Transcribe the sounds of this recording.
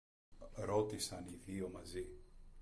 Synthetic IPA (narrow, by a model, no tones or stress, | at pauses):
ɾot̪isaniðiomazi